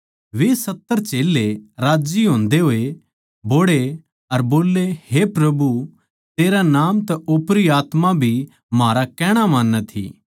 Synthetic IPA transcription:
ʋesɐt̪ːəɾt͡ʃeːleɾaːd͡ʒiɦõːnd̪eɦoːe | boːɽe | ɐɾboːlːehepɾɐbu | t̪eːɾanaːmt̪ɛʔopɾiaːt̪mãbʱi | maːɾakɛːɽ̃amãːnːɛt̪ʰḭː

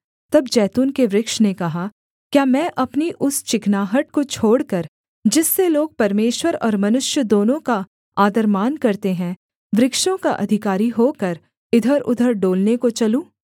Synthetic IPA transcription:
t̪ɐbd͡ʒɛːt̪uːnkeʋɾɪkʃnekɐɦa | kjaːmɛ̃ːʔɐpniʔʊst͡ʃɪknaːɦəʈ̚kot͡ʃʰoːɽkɐɾ | d͡ʒɪsːeloːɡ̚pɐɾmeːʃwəɾɔ̰ːɾmɐnʊʃjəd̪oːnõka | aːd̪əɾmaːnkɐɾt̪eɦɛ̃ | ʋɾɪkʃõkaʔɐ̰d̪ʱɪkaːɾiɦoːkɐɾ | ɪd̪ʱəɾʊ̰d̪ʱəɾɖoːlnekot͡ʃɐlũː

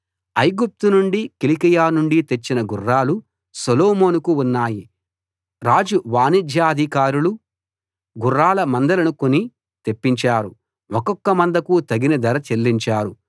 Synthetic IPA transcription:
ɐjɡup̚t̪unuɳɖikilikɐjaːnuɳɖit̪e̞t͡ʃːinɐɡurːaːlu | soloːmoːnukuunːaːji | ɾaːd͡ʒuʋaːnid̪ʱjaːɐd̪ʱikaːɾulu | ɡurːaːlɐmɐnd̪ɐlɐnukoni | t̪e̞pːiɲt͡ʃaːɾu | ɔkɔkːɐmɐnd̪ɐkut̪ɐɡinɐd̪ɐɾɐt͡ʃe̞lːiɲt͡ʃaːɾu

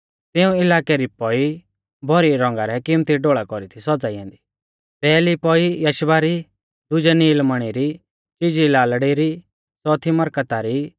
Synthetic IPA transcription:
t̪ɪũɪlaːkɛɾipɔi | bʱɔɾiɾɔ̃ŋɡaɾɛkɪmt̪iɖoːɭakɔɾit̪ʰisɔd͡zaiɛ̃ːnd̪i | pɛːlipɔijɐʃbaɾi | d̪ʊd͡ʒɛniːlməɽ̃iɾi | t͡ʃid͡ʒilaːlɽiɾi | sɔːt̪ʰimɐɾkət̪aɾi

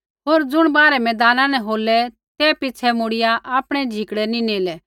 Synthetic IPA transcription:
ɦoːɾd͡zʊɽ̃baːɾɛmɛ̃ːd̪aːnãnɛ̃ɦoːlɛ | t̪ɛpɪt͡sʰɛmoɽɪjaʔaːpɽ̃ɛd͡ʒʱɪkɽɛnĩneːlɛ

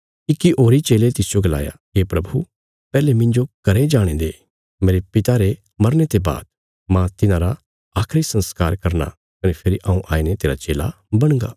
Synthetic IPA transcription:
kikːiʔoːɾit͡ʃeːlet̪ɪsɪd͡ʒoɡɐla̰ːja̰ɦeːpɾɐbʱṵ | pɛːlemɪ̃ɲd͡ʒokɐɾed͡ʒaːɽ̃ẽd̪eː | meːɾepɪt̪aɾe | mɐɾnet̪eba̰ːd̪ | mãt̪ɪnãɾa | aːkʰɾisə̃nskaːɾkɐɾna̰ | kɐnepʰɪɾiʔãũʔa̰ːinet̪eːɾat͡ʃeːla̰ | bɐɽ̃ɡa̰ː

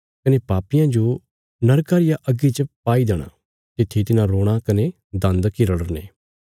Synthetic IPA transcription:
kɐneːpaːpɪjãd͡ʒo | nɐɾkaːɾɪjaʔɐɡit͡ʃəpaːid̪ɛːɽ̃a̰ː | t̪ɪt̪ʰːet̪ɪnãɾoːɽ̃akɐne | d̪ɐ̃nd̪kɪɾəɽənḛː

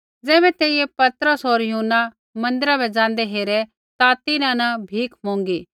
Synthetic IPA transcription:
d͡zɛːbɛt̪eːɪjepɐt̪ɾəsoːɾjʊɦʊnːa | mɐ̃nd̪ɪɾabɛd͡ʒãːnd̪ɛɦeːɾɛ | t̪at̪ɪnãnɐbʱiːkʰmõːŋɡiː

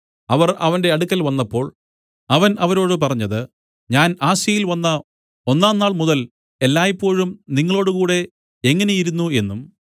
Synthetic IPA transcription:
ɐʋɐrɐ̰ʋɐnde̞ɐɽukːɐlʋɐnːɐpːo̞ːɭ | ɐʋɐnɐʋɐɾo̞ːɽɨp̬ɐrɐɲːɐðɨ | ɲaːnaːɕjɐjilʋɐnːɐ | o̞nːaːnːaːɭmuðɐl | e̞lːaːjipːo̞ːɻumniŋːɐɭo̞ːɽɨkuːɽe̞ | eŋːɐne̞jiɾunːue̞nːum

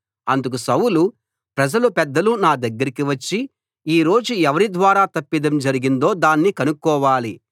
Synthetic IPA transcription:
ɐnd̪uk̬usɐwulu | pɾɐd͡ʒɐlupɛd̪ːɐlunaːd̪ɐɡːɐɾikiʋɐt͡ʃːi | iːɾo̞ːd͡ʒuɛʋɐɾid̪ʋaːɾaːt̪ɐpːid̪ɐmd͡ʒɐɾiɡind̪o̞ːd̪aːnːikɐnukːɔːʋaːli

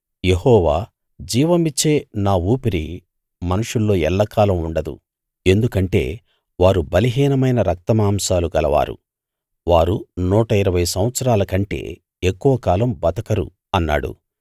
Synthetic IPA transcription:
je̞hɔːʋaː | d͡ʒiːʋɐmit͡ʃːe̞ːnaːuːpiɾi | mɐnuʂulːo̞ːɛlːaːkaːlɐmuɳɖɐd̪ṵ | e̞nd̪ukɐɳʈe̞̰ː | ʋaːɾubɐliɦiːnɐmɐjnɐɾɐk̚t̪ɐmaːmʃaːluɡɐlɐʋa̰ːɾṵ | ʋaːɾunuːʈɐiɾɐʋɐjsɐmʋɐt̪sɐɾaːlɐkɐɳʈe̞̰ː | ekːuʋɐkaːlɐmbɐt̪ɐkɐɾṵ | ɐnːa̰ːɽṵ

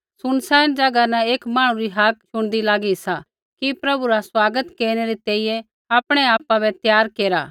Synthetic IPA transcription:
sʊnsɛːnd͡ʒaːɡanɛ̃eːkmaːɽ̃ũɾiɦak̚ʃʊɽ̃d̪ilaːɡisa | kipɾɐbuɾaswaːɡət̪keːɾɽ̃eɾit̪eːijɛ̃ | aːpɽ̃eaːpabɛt̪jaːɾkeːɾaː

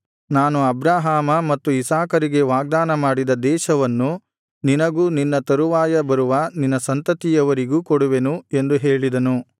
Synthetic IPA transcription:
naːnuɐbɾaːɦaːmɐmɐt̪ːuisaːkɐɾiɡe̞ʋaːɡ̚d̪aːnɐmaːɽid̪ɐd̪ɛːʃɐʋɐnːu | ninɐɡuːninːɐt̪ɐɾuʋaːjɐbɐɾuʋɐninːɐsɐnt̪ɐt̪ijɐʋɐɾiɡuːkɔɽuʋe̞nue̞nd̪uɦeːɭid̪ɐnu

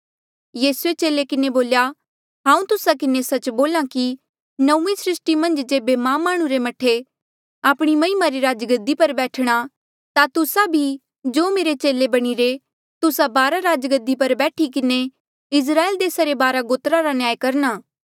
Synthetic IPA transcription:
jiːsuet͡ʃeːlekɪneboːlja | ɦãːũt̪ʊsakɪnesɐt͡ʃboːlãki | nɐũmisɾɪsʈimɐ̃nd͡ʒd͡ʒeːbemãːmaːɽ̃ũɾemɐʈʰe | aːpɽ̃imɐɪmaɾiɾaːd͡ʒɡəd̪ːipɐɾbɛːʈʰɽ̃a | t̪at̪ʊsabʱi | d͡ʒoːmeːɾet͡ʃeːlebɐɽ̃iɾe | t̪ʊsabaːɾaɾaːd͡ʒɡəd̪ːipɐɾbɛːʈʰikɪne | ɪs̬ɾaːeːld̪eːsaɾebaːɾaɡoːt̪ɾaɾanjaːjkɐɾñaː

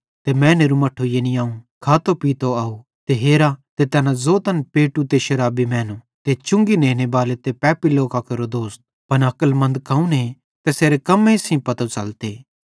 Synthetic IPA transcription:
t̪emɛ̃ːneːɾumɐʈʰːojeniaːũkʰaːt̪opiːt̪oaːu | t̪eɦeːɾat̪et̪ɛːnãzoːt̪ɐnpeːʈut̪eʃɐɾaːbimɛːnu | t̪et͡ʃʊ̃ŋɡinẽːnebaːlet̪epɛːpiloːkakeɾod̪oːst̪̚ | pɐnɐkəlmɐ̃nd̪kʰɐũne | t̪eseːɾekɐmẽsĩpɐt̪ot͡ʃɐ̰lt̪eː

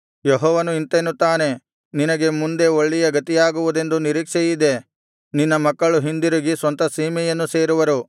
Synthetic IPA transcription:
jeɦɔːʋɐnuint̪enːut̪aːne̞ | ninɐɡe̞mund̪e̞oɭːijɐɡɐt̪ijaːɡuʋud̪e̞nd̪uniɾiːkʂɛjid̪e̞ | ninːɐmɐkːɐɭuɦind̪iɾuɡisʋɐnt̪ɐsiːmɛjɐnːuse̞ːɾuʋɐɾu

